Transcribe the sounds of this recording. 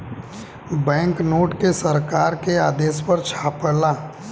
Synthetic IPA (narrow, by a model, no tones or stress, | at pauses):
bɛ̃ːŋknoːʈkesəɾkaːɾkeaːd̪eːspɐɾt͡ʃʰaːpəɽlaː